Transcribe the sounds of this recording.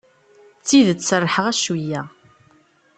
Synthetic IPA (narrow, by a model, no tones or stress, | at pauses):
t͡sːiðət͡sːsərˤːħəʁæʃwijːæ